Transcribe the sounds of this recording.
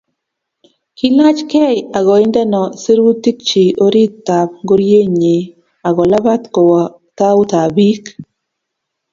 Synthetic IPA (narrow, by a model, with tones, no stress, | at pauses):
ki˦la˦t͡ʃkɛ˦ja˨ɡɔ˨ɪ˦ndɛ˦nɔ˨se˦ɾwu˦t̪i˦k̚t͡ʃi˨o˦ɾi˦ttːa˨p̚ŋɡo˦ɾje˦ɲe˨ | a˨ɡɔ˨la˦ba˦t̪kɔ˨wɔ˨ | t̪a˦ʊ˦t̪a˨bi˦k